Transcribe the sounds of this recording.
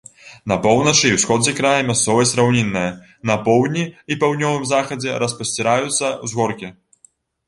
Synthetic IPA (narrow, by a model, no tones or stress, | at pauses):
nɐpɔwnɐt͡ʂɨiwsxɔd͡zʲɛkɾajɐmʲast̪sɔvɐsʲɾawnʲinːɨjɐ | nɐpɔwd̪ʲnʲiːpawd̪nʲɔvɨmzaxɐd͡zʲɛɾɐspɐsʲt͡sʲɛɾajut̪sːɐwzɣɔrkʲi